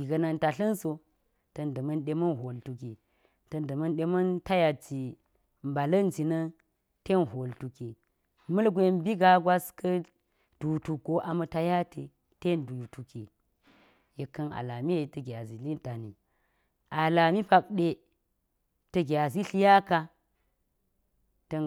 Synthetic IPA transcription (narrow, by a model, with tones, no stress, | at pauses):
ɡi˨ɡɐ˨na˨nta˨ɬɐ˦nso˨ | tɐ˨ndɐ˨mɐ˦nɗe˦mɐ˦nɦo˨ltu˨ki˨ | tɐ˦ndɐ˨mɐ˦nɗe˦mɐ˦nta˦ja˨t͡ʃi˨ | m˨ba˨lɐ˦nd͡ʒi˨nɐ˦ | te˦nɦo˨ltu˨ki˨ | mɐ˦lɡʷe˦nbi˦ɡa˨˦ɡwa˦skʰɐ˦ | d̥u˨tu˨ɡo˦ʔa˨mɐ˦ta˦ja˦tʰe˨ | te˦ndu˨tu˨kḭ˨ | je˨kːɐ˦na̰˨la˨mi˦e˨tɐ˨ɡʲa˨zi˨li˦nta˨nḭ˨ | a˨la˨mi˦pa˨k̚ɗe˦ | tɐ˦˨ɡʲa˨zi˦ɬi˦ja˦ka˦ | tɐ˦